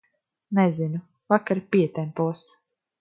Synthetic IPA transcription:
nɛzinu | vakaɾpiɛt̪ɛmpuɔs

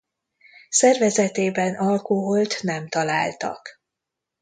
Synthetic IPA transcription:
sɛrvɛzɛt̪eːbɛnʔɒlkoɦolt̪nɛmt̪ɒlaːlt̪ɒ̰k

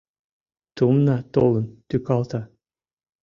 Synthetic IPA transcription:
t̪umnɑt̪olˠɤ̆nt̪ykɑlˠt̪ɑ

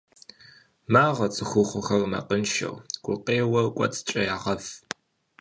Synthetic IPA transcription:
maːʁɐt͡sʼɨxʷʊχʷʊxɐrmɐ̰qənʃɐ̰wɡʷʼʊqʼeːwɐkʷʼɔ̰t͡sʼt͡ʃʼɐjaːʁɐf

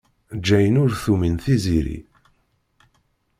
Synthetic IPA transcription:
d͡ʒːæjənʊɾθuminθiziɾḭ

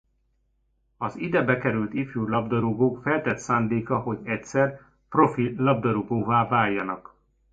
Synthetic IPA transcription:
ɒzid̪ɛbɛkɛɾylt̪ifjuːlɒbd̪ɒɾuɡoːkfɛlt̪ɛt̪saːnd̪eːkɒɦo̞ɟɛcsɛr | pro̞filɒb̚d̪ɒɾuɡoːvaːvaːjːɒnɒk

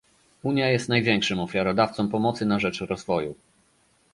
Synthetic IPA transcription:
uɲjajɛst̪najvʲjɛŋkʂɘmɔfʲjaɾɔd̪aft̪sɔmpɔmɔt̪sɘnaʐɛt͡ʂɾɔzvɔjṵ

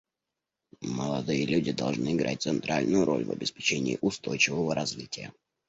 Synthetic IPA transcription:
məlˠɐd̪ɨjəlʲudʲɪd̪ɐlˠʐnɨɪɡɾʔa̰t̚ʲt̪sɨnt̪ɾʔalʲnʊjʊɾʔo̞̰lʲvɐ̰bʲɪspʲɪ̥t͡ɕenʲɪːʔʊst̪o̞jt͡ɕɪvəvəɾɐzvʲitʲɪjə

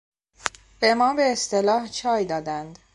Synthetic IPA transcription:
b̥e̞mɒːbe̞ːst̪e̞lɒːht͡ʃʰɒːjd̪ɒːd̪ænd̪

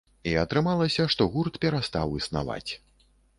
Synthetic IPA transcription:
iɐt̪ɾɨmalˠɐsʲɐʂt̪ɔɣurt̪pʲɛɾast̪a̰wisna̰va̰t͡sʲ

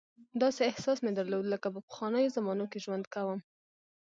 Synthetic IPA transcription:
d̪ɑseɪhsɑsmed̪əɾlod̪ləkapəpə̥xwɑnəjozamɑnokeʒwand̪kawəm

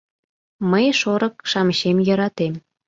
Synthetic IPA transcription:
məjʃoɾə̆k̚ʃɑməɕemjə̆ɾɑt̪em

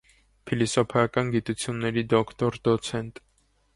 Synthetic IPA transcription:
pʰilisɔpʰɑɑkɑnɡit̪ut͡sʰjunːɛɾid̪ɔkʰt̪ɔɾd̪ɔt͡sʰɛnt̪

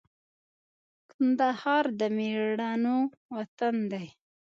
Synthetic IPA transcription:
kand̪ahɑɾd̪əmeɽɑno | wat̪and̪aj

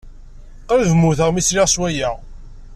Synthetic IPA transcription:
qɾvmuθəʁmisliʁswæjæʁ

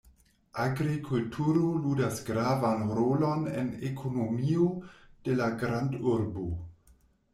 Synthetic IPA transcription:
ʔaɡɾikʰultʰuɾoludasɡɾavanɾolonḛnekʰonomiod̥e̞laɡɾanduɾbo

